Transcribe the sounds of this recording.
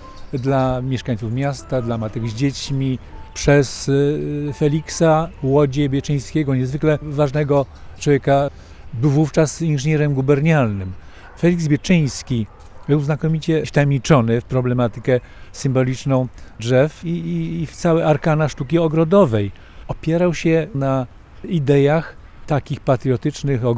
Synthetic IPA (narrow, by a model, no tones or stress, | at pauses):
d̪lamʲjɛʂkaɲ̃t̪sufmʲjast̪ad̪lamat̪ɛɡzd͡ʑet͡ɕmʲipʂɛs | fɛlʲiksawɔd͡ʑɛbʲjɛt͡ʂɛj̃skʲɛɡɔɲɛzvɘklɛvaʐnɛɡɔt͡ʂwɔvjeka | bɘwvuft͡ʂasinʐɘɲɛɾɛmɡubɛɾɲalnɘm | fɛlʲiɡzbʲjɛt͡ʂɘ̃j̃skʲi | bɘwznakɔmʲit͡ɕɛft̪amʲɲit͡ʂɔnɘfpɾɔblɛmat̪ɘkɛ | sɘmbɔlʲit͡ʂnɔ̃w̃dʐɛfift̪sawɛaɾkanaʂt̪ukʲiɔɡɾɔd̪ɔvɛj | ɔpʲjɛɾawɕɛna | id̪ɛjax | t̪akʲixpat̪ɾjɔt̪ɘt͡ʂnɘxɔɡ